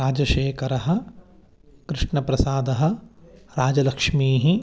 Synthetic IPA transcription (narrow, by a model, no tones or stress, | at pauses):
ɾaːd͡ʒɐʃeːkɐɾɐɦɐ̆ | kɾɪʂɳɐpɾɐsaːd̪ɐɦɐ̆ɾaːd͡ʒɐlɐkʂmiːɦi